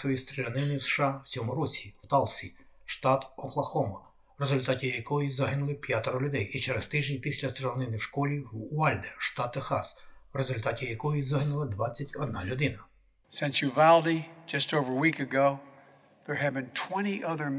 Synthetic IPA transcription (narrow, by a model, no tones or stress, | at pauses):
ɔjist̪ɾelʲɐnɪnɪwsʃɑt͡sʲɔmʊɾɔsʲiwt̪ɑlˠsʲiʃt̪ɑt̪ɔxlˠɐxɔmɐ | wɾezʊlʲt̪ɑtʲijɐkɔjizɐɦɪnʊlˠɪpʲjat̪ɔɾɔlʲʊd̪ɛjit͡ʃɛɾest̪ɪʒʲnpʲisʲlʲɐst̪ɾelʲˠɐnɪnɪwʃkɔlʲiʋɑlʲd̪eʃt̪ɑt̪ːexɑ̰swrezʊlʲt̪ɑtʲijɐkɔjizɐɦɪnʊlˠɐd̪ʋɑt͡sʲːɐtʲɔd̪̚nɑlʲʊd̪ɪnɐ | sɛ̃nsjɨvalˠdid͡ʒʌstoʊvə˞wikɨɡoʊ | ðə˞ɨdbɨ̃ntʰw̥ɛ̃ɾ̃iʔʌðə˞